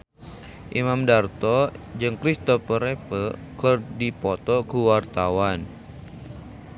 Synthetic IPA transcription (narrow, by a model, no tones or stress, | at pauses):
ʔimamdart̪ɔd͡ʒɨŋkɾist̪ɔfəɾepəkɨrdipɔt̪ɔkuwart̪awan